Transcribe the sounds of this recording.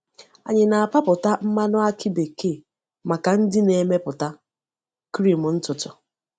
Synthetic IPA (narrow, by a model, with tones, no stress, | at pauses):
a̰˨ɲɪ˨na˨a˨pa˦pʊ˨ta˦m̩˦ma˦nʊ˦a˦kʰɪ˦be˨ke˦˨ | ma˨ka˨n̩˦dɪ˦ne˨me˦pʊ˨ta˦ | kɾi˦˨m˨n̩˦tʊ˨tʊ˨